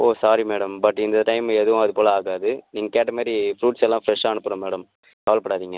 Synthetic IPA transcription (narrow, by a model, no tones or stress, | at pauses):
oːsaːɾimeːɽɐmbɐʈːɪnd̪ɐʈɐɪmɛðɯʋʊ̃ɐðɯpoːlɐaːɣaːðɯniːŋɡɐkeːʈːɐmaːɾifɾuːʈsɛlːãːfɾɛʂaːɐnɯpːɯɾɐ̃meːɽɐm | kaːʋɐlɐpːɐɽaːðiːŋɡɐ